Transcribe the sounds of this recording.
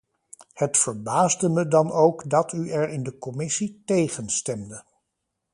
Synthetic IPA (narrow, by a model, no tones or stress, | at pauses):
hətfəɹbaːzdəmədɑnowkdɑtʰyɛɹɪndəkɔmɪsitejχənstɛmdə